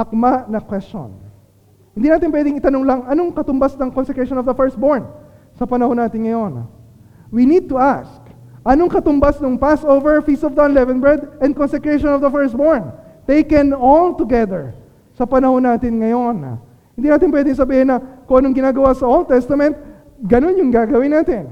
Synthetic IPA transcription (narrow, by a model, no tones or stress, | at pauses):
ʔɐk̚manɐkwɛst͡ʃo̰n | hɪnd̪iːnaːt̪ɪnp̬wɛd̪ɪŋɪt̪ɐnoŋlɐŋɐnoŋkɐt̪ʊmbasnɐŋkonsɛkɹeʃonɔvd̪ɐfɛɹst̪̚boɹn | sɐpɐnɐhonaːt̪ɪnŋɐjo̞n̰ | winid̪̚t̪ʊʔask | ʔɐno̞ŋkɐt̪ʊmbasnʊŋpasʔovɛɹfist̪ɔvd̪ɐɪlɛvɛ̃nbɛɹd̪ɛn̚konsɛkɹeʃonɔvd̪ɐfɛɹst̪̚boɹnt̪ejkɛnolt̪ʊɡɛðɛɹ | sɐpɐnɐhonːaːt̪ɪnŋɐjo̞n̰ | hɪnd̪iːnaːt̪ɪnp̬wɛd̪ɪŋsɐbiːhɪnːɐkʊŋʔɐnoŋɡɪnaːɡɐwasɐʔold̪̚t̪ɛst̪ɐmɛ̃nt̪̚ | ɡɐnonjʊŋɡaːɡɐwɪnaːt̪ɪn